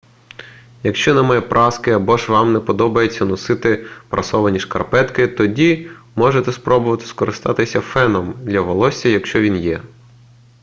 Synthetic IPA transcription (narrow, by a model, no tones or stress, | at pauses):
jɐkʃt͡ʃɔnɐmɛpɾʔɑskɪɐbɔʒʋɑmnɛpɔd̪ɔbɐjet͡sʲːɐnɔsɪt̪ɪpɾʔɐsɔʋɐnʲiʃkɐrpɛt̪kɪt̪ɔdʲi | mɔʒet̪ɛspɾɔbʊʋɐt̪ɪ̥skɔɾɪst̪ɑt̪ɪsʲɐfɛnɔmd̪lʲɐʋɔlˠɔsʲɐjɐkʃt͡ʃɔʋʲinjɛ